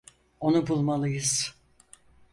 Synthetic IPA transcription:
o̞nubulˠmalˠɯjɯz̥

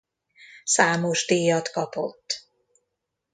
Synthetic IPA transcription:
saːmoʒd̪eːjɒt̪kɒpo̰t̪ː

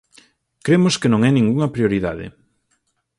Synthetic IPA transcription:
kɾemoskɪnõŋɛnĩŋɡuŋɐpɾjoɾiða̰ðɪ̰

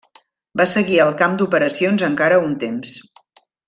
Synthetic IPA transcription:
basəɣiəlˠkamd̪upəɾəsionzəŋkaɾəunt̪ems

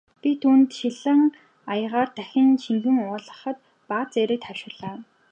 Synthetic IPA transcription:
pʲit̪ʰuːnt̪ʃiɮə̆ŋ | ajʁaːrt̪æxʲɪ̆nt͡ɕiŋɡɘ̆ŋʊːɮə̆χə̆t̪ | pat͡seɾĕːkt̪χawʃɪ̆rɮaː

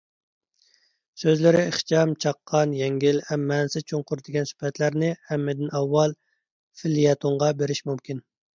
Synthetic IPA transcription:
søzlɪɾɪeχt͡ʃɑmt͡ʃʰɑqʰːɑnjɛŋɡʲilhɛmːɛnsɪt͡ʃʰoŋqʊɾd̪ɪɡʲɛnsy̥pʰɛt̪ʰlæɾnɪhɛmːɪd̪ɪnɑwːɑlˠ | fɪlijɛt̪ʰoɴʁɑbeɾɪʃmumkʲʰin

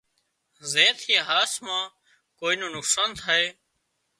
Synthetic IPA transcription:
zeːt̪ʰeɦaːsmãː | koːiːnõːnʊksaːnt̪ʰaːɦeː

